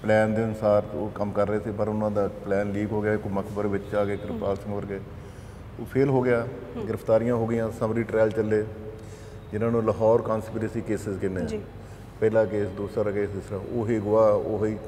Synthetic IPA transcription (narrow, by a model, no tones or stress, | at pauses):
plɛːnd̪eːənsaːɾt̪oːkəmkəɾːəeːseːpəɾʊnãːd̪aːplɛːnliːkɦoːɡɪaːkməkbəɾʋɪt͡ʃaːɡeːɡɪɾɪpʰt̪aːɾsəməɾɡeː | oːpʰeːlɦoːɡɪjaːɡɪɾəpʰt̪aːɾɪjãːɦoːɡɪjãːsəmɾiːʈɾɛːlt͡ʃəlːeː | d͡ʒɪnãːnũːləɦɔːɾkaːnspːɾesiːkeːsɪzkɪnːeː | pɛːlaːkeːsd̪uːsɾaːɾaːkeːsd̪ɪsɾaːoːɦeːɡʊaːoːɦiː